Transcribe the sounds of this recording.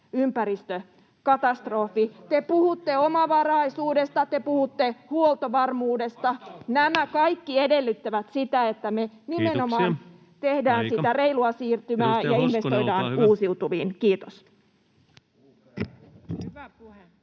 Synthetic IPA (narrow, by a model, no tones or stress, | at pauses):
ympæɾist̪ø | kɑt̪ɑst̪ro̞fit̪epuhut̪ːeomɑʋɑrɑisuːdest̪ɑt̪epuhut̪ːehuolˠt̪oʋɑrmuːdest̪ɑnæmækɑjkːiede̞lːyt̪ːæʋæt̪sit̪æet̪ːæme | nimeno̞mɑːn | t̪ehdæːnsit̪ære̞iluɑsiːrt̪ymæːjɑinʋe̞st̪o̞jdɑːnuːsiut̪uʋiːnkiːt̪os | hyʋæpuhe